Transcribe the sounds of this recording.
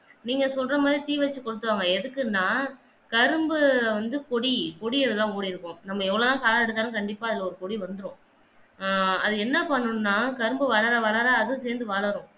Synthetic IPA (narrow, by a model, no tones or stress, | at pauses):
niːŋɡɐsɔlrɐmaːðɾit̪iːʋɐt͡ʃːɯkɔɽɯt̪ːɯʋaːŋɡɐɛðɯkːɯnːaː | kɐɾɯmbɯʋɐnd̪ɯkɔɽikɔɽiɐðɯlːãːoːɽiɾɯkːʊ̃nɐmːɐɛʋːɐɭoːðãːkaːlaɽɯt̪ːaːnɯkɐɳɖɪpːaːɐðɪlːɐɔɾɯkɔɽiʋɐnd̪ɯɾʊ̃ | ɐðɯɛnːɐpɐɳːɯnnːaːkɐɾɯmbɯʋɐɭɐɾaʋɐɭɐɾaːðʊ̃seːɾnd̪ɯʋɐɭɐɾʊ̃